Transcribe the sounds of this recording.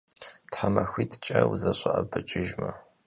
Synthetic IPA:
tħamɐxʷiːtʰt͡ʃʼɐwuzɐɕʼɐʔɐbɨt͡ʃʼɪʒmɐ

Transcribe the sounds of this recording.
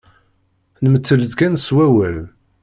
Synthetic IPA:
nəmət͡sːələðkænswæwæl

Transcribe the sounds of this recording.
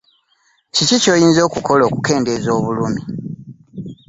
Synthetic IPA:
cicico̞ːjiːnzo̞ːkuko̞lo̞ːkuke̞ːnde̞zo̞ːβulumi

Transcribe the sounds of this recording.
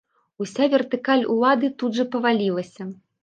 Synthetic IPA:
usʲavʲɛrt̪ɨkalʲṵlˠad̪ɨt̪ud̪ʐɐpɐvalʲilˠɐsʲɐ

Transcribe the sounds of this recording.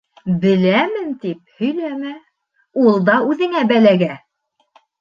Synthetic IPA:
bɘ̆læmɘnt̪ip̚hɵ̆jlæmæ | ulˠd̪ɑʉðɘ̆ŋæbælæɡæ

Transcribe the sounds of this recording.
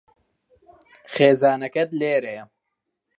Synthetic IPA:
xeːzaːnɐkɐt̪leːɾejɐ

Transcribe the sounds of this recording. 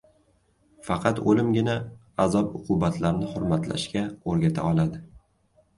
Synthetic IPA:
fɑqʰɑt̪olɪmɡʲɪna | azɒpʊqʰʊbat̪laɾnɪχʊɾmat̪la̰ʃkʲaoɾɡʲat̪ʰa̰ɒlˠad̪ɪ

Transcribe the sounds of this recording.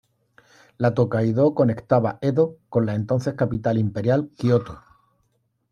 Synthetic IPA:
lat̪okajðo̞ko̞ne̞kt̪aβae̞ðoko̞nlae̞nt̪o̞nθe̞hkapit̪alimpe̞ɾjalkiot̪o

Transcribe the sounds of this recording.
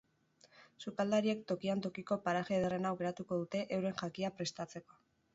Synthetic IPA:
sukald̪aɾie̞k̚t̪o̞kiant̪o̞kiko̞paɾaʝe̞ðerenawɣe̞ɾat̪uko̞ðut̪e̞ʔewɾe̞ŋʝakiapɾe̞st̪at͡se̞ko̞̥

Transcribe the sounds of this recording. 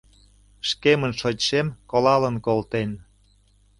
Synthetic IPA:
ʃkemənʃotʃemkolɑlənkolt̪en

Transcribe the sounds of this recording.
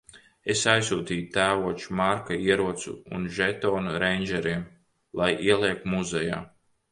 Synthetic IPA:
esajsuːt̪iːt̪æːvuɔt͡ʃu̥maɾkaiɛɾuɔt̪sṵːnʒɛt̪ɔːnuɾɛjnʲd͡ʒɛɾiɛm | lˠajiɛlˠiɛk̚t̪muzɛja̰ː

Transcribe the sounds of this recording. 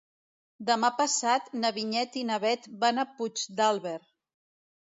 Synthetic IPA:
d̪əmapəsat̪nəβiɲɛt̪inəβɛt̪banəput͡ʃd̪alˠβeɾ

